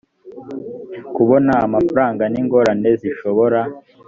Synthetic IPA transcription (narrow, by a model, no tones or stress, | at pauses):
kuβo̞naːmafaɾaːŋɡaniŋɡo̞ɾane̞ziʃo̞βo̞ɾa